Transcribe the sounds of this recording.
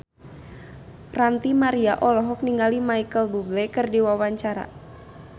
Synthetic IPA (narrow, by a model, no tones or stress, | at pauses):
rant̪imaɾiaʔɔlɔɦɔk̚niŋɡalimajkəlbublɛkərdiwawaɲt͡ʃaɾa̰